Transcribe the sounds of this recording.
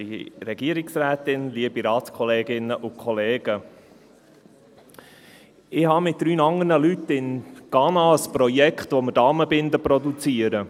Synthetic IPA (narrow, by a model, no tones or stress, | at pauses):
iɾɛɡ̥iəɾɪksɾæːtɪnliəb̥iɾɑːtskʰɔleːɡɪnəʔʊkʰɔleːɡə | ɪhɑmɪt̚d̥ɾyːnɑŋəɾnəlytːɪnɡ̥ɑnɑəspɾɔjɛkχt̪ʋoməd̥ɑːməbɪnd̪əpɾɔd̪ut͡siəɾə